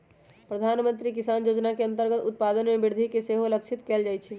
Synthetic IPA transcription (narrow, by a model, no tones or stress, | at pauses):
pɾəd̪ʱanmənt̪ɾikisaːnjod͡ʒnakeə̃nt̪əɾɡət̪ut̪̚pad̪ənmebiɾd̪ʱikeseɦoləkt͡ʃʰit̪keld͡ʒajt͡ʃʰɛ